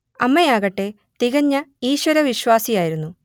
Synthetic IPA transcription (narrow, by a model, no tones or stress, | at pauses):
ɐmːɐjaːɣɐʈːe̞ | t̪iɣɐɲːɐiːɕwɐɾɐʋiɕwaːsijaːjiɾunːu